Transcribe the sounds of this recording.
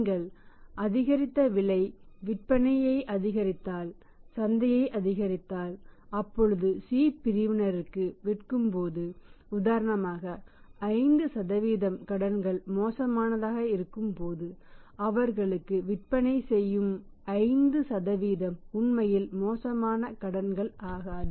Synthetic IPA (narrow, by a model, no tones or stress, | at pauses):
ŋɡɐɭʔɐðɪɣɐɾɪt̪ːɐʋɪɭɐɪʋɪʈ̚pɐnɐjɐɪʔɐðɪɣɐɾɪt̪ːaːl | sɐnd̪ɐjɐɪʔɐðɪɣɐɾɪt̪ːaːlɐpːɔɻɯðɯsiːpɪɾɪʋɪnɐɾɯkːɯʋɪʈkɯmpoːðɯʊðaːɾɐnɐmaːɣɐː | ɪnd̪ɯsɐðɐʋiːðɐmkɐɽɐnɡɐɭmoːsɐmaːnɐðaːɣɐɪɾɯkːɯmpoːðɯ | ɐʋɐɾɣɐɭɯkːɯʋɪʈ̚pɐnɐɪsɛjːɯm | ɐɪnd̪ɯsɐðɐʋiːðɐmʊɳmɐjɪlmoːsɐmaːnɐkɐɽɐnɡɐɭʔaːɣaː